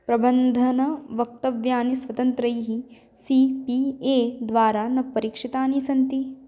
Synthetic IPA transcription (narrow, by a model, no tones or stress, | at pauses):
pɾɐbɐnd̪ʱɐnɐʋɐk̚t̪ɐʋjaːnisʋɐt̪ɐnt̪ɾɐjɦi | sipieːd̪ʋaːɾaːnɐpːɐɾikʂit̪aːnisɐnt̪i